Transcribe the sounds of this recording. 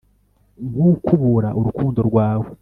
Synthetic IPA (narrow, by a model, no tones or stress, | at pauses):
ɡukʰuβuɾaʔuɾukuːndo̞ɾɡwaːwe